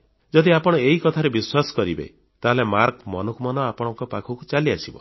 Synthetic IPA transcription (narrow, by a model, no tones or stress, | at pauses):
d͡ʒɔd̪iapɔɽ̃ɔeɦikɔt̪ʰaɾebiswasɔ̥kɔɾibḛ | t̪aɦlemaɾkmɔnɔkumɔnɔapɔɽ̃ɔŋkɔpakʰukut͡ʃaliasibɔ̰